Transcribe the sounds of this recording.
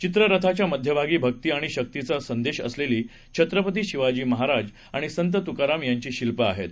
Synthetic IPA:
t͡ɕit̪ɾəɾət̪ʰat͡ɕjaməd̪ʱjəbʱaɡiːbʱək̚t̪iːaɽ̃iɕək̚t̪it͡sasənd̪eɕə̰sleliː | t͡ɕʰət̪ɾəpət̪̬iːɕiʋad͡ʑiːməɦaɾad͡z | aɽ̃isənt̪ət̪ukaɾamjaɲt͡ɕiːɕilpəaɦet̪

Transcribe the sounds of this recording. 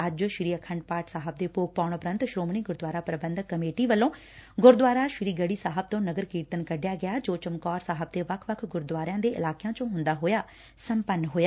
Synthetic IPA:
əd͡ʒʃɪɾiːəkʰəɳɖpaːʈsaːɦəb̚d̪eːpoːk̚paːʊɳʊpɾə̃nt̪ʃɾoːmɳiːɡʊɾd̪ʋaːɾaːpɾəbə̃nd̪kːəmeːʈiːʋəlːõː | ɡʊɾd̪ʋaːɾaːʃɪɾiːɡəɽiːsaːɦəb̚t̪õːnəɡəɾkiːɾt̪ənkəɖjaːɡɪjaːd͡ʒoːt͡ʃəmkɔːɾsaːɦəb̚d̪eːʋəkʰʋəkʰɡʊɾd̪waːɾãːd̪eːʔɪ̰laːkeãːt͡ʃõːɦʊnd̪aːɦoːjaː | səmpənːɦoːjaː

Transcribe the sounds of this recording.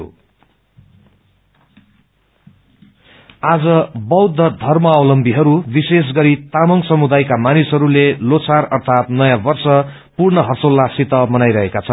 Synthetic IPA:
o̰ | ad͡zʌbʌwd̪ʱːʌd̪ʱʌrmʌʌwlʌmbʱiɦʌɾubises̬ɡʌɾit̪amʌŋsʌmud̪ajkamanisɦʌɾulelot͡sʰarʌrt̪ʰat̪nʌjãbʌrsʌ | purnʌɦʌsolːasit̪ʌmʌnajɾʌɦekat͡sʰʌn

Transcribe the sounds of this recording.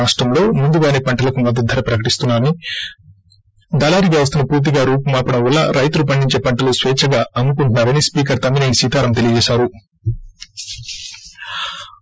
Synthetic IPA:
aːʂʈɾɐmlo̞ːmund̪uɡaːneːpɐɳʈɐlɐkumɐd̪ːɐd̪ʱːɐɾɐpɾɐkɐʈist̪unːaːmi | d̪ɐlaːɾiɡaːʋɐs̬t̪unɐpuːɾt̪̬iɡaːɾuːpumaːpɐɽɐmʋɐlːɐɾɐjt̪ulupɐɳɖiɲt͡ʃe̞ːpɐɳʈɐlusʋeːt͡ʃʰɐɡaːɐnːukuɳʈunːaːɾɐnispiːk̬ɐɾt̪ɐmineːnisiːt̪aːɾɐmt̪e̞liɐd͡ʒɛːʃaːɾu

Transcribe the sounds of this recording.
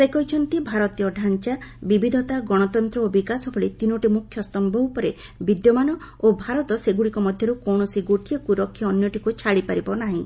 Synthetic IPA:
sekɔɦit͡ʃʰɔnt̪ibʱaɾɔt̪ijɔɖʱant͡ʃabibid̪ʱɔt̪aɡɔɽ̃ɔt̪ɔnt̪ɾɔobikasɔbʰʱɔɭit̪inoʈimukʰːjɔst̪ɔmbʱɔwpɔɾe | bid̪jɔmanɔ | obʱaɾɔt̪ɔseɡuɽikɔmɔd̪ʱjɔɾukɔwɳ̃ɔsiɡoʈijɔkuɾɔkʰjɔːnjɔʈikut͡ʃʰaɽipaɾibɔnaɦĩ

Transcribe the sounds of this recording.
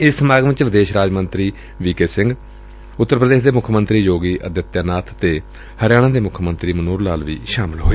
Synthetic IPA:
ɪssəmaːɡʋɪ̃t͡ʃʋɪd̪eːʃɾaːd͡ʒmə̃nt̪ɾiː | ʋiːkeːsɪ̃ŋɡ | ʊt̪ːəɾpəd̪eːʃd̪eːmʊkʰmənt̪ɾiːjoːɡiːʔəd̪jət̪jaːnaːt̪ʰt̪eː | həɾjaːɽ̃ãːd̪eːmʊkʰəmənt̪ɾiːmənuːɾlaːlʋḭːʃaːmɪlɦoːeː

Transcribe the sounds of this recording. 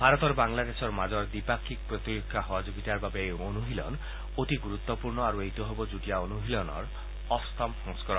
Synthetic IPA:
bʱaɾɔt̪ɔɾbaŋlad̪esɔɾmad͡ʒɔɾd̪ipakʰːik̚pɾɔt̪iɾukʰːaɦɔwad͡ʒuɡit̪aɾbabeeonuɦilɔ̰n | oʈiɡuɾut̪ːɔpuɾɳɔaɾueɦt̪ɔɦebɔd͡ʒuʈijaonuɦilɔnɔ̰ɾ | ɔst̪ʰɔmsɔŋskɔɾɔ

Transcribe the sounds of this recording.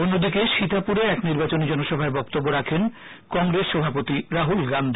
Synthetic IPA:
onːod̪ikeʃit̪apuɾeɛkniɾbat͡ɕonid͡ʑɔnoʃɔbʱaebɔkt̪obːoɾakʰen | kɔŋɡɾesʃɔbʱapot̪iɾaɦulɡand̪ʱi

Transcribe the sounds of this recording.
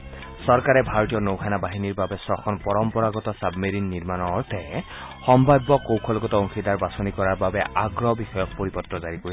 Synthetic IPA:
sɔɹkaɹɛbʱaɹotijɔnowkʰanabaɦiniɹbabɛsɹɔxʰɔnpɔɹɔmpɔɹaɡɔtɔsabmeɹinːiɹmanɔɹtɛ | xɔmbajbːɔkowkʰɔlɡɔtɔoŋxʰidaɹbasonikɔɹaɹbabɛʔaɡɹɔbixɔjɔk̚poɹipɔtɹɔzaɹikoɹi

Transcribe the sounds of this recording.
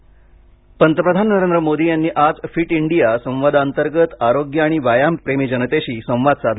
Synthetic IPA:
pənt̪əpɾəd̪ʱannəɾend̪ɾəmod̪iːjanːiːʔad͡zfiːʈiɳɖijasə̃w̃ʋad̪aənt̪əɾɡət̪aɾoɡjəaɽ̃iʋajampɾemiːd͡ʑənət̪eɕiːsə̃w̃ʋad̪sad̪ʱ

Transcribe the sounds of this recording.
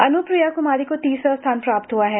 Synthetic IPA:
ɐnʊpɾɪjaːkʊmaːɾikot̪iːsast̪ʰaːnpɾaːpt̪ɦʊaɦɛː

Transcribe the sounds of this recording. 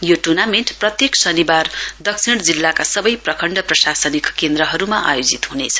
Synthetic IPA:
joʈurnameɳʈprʌt̪jeksʌnibard̪ʌksʰiɽ̃d͡zilːakasʌbʌjprʌkʰʌɳɖʌprʌsasʌnikkend̪ɾʌɦʌɾumaʔa̰jod͡zit̪ɦunḛt͡sʰʌ̥

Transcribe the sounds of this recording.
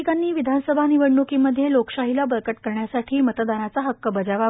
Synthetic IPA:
ikanːiːʋid̪ʱansəbʱaniʋəɽɳukiməd̪ʱːjelokɕaɦilabəɾkəʈkəɾɳjasaʈʰiːmət̪əd̪anat͡saɦəkːəbəd͡zaʋa

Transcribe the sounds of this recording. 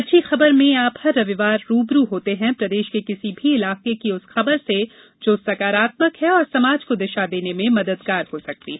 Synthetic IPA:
ɐtːʃʰixɐbəɾmẽaːphɐɾːɐʋɪʋaːɾːuːbɾuɦoːt̪eɦɛ̃pɾɐd̪eːʃkekɪsibʱiɪlaːqekiʊsxɐbəɾse | d͡ʒoːsɐkaːɾaːt̪məkɦɛ̃ɔːɾsɐmaːd͡ʒkod̪ɪʃad̪eːnemẽmɐd̪əd̪ɡaːɾhosɐk̚t̪iː

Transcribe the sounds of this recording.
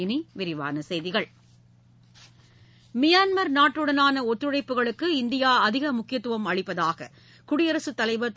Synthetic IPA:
ɪniʋɪɾɪʋa̰ːnɐsɛjðɪɣɐɭ | mɪjaːnmɐɾnaːʈrɯɽɐnaːnɐɔt̪ːɾɯɽɐɪpːɯɣɐɭɯkːɯɪnd̪ɪjaːɐðɪɣɐmʊkːɪjɐt̪ːɯʋɐmɐɻɪpːɐðaːɣɐ̰ | kʊɽɪjɐɾɐsɯt̪ːɐlɐɪʋɐt̪ː

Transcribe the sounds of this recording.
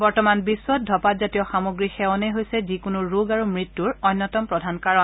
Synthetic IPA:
bɔɹtɔmanbisːwɔt̚dʱɔpatzatijɔxamoɡɹixɛwɔnejɦojsɛzikʊnuɹoɡaɹumɹitːuɹɔjnːɔtɔmpɹɔdʱankaɹɔn

